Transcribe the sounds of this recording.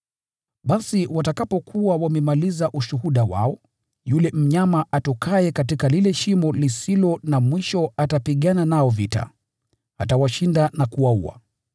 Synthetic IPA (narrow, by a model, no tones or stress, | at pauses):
ɓasiwatakapɔkʰuawamɛmalizaʔuʃuhuɗawa̰ɔ | julɛm̩ɲamaʔatɔkʰaɛkatikalilɛʃimɔlisilɔnamwiʃɔatapiɠananaɔvita̰ | a̰tawaʃindanakuauwa̰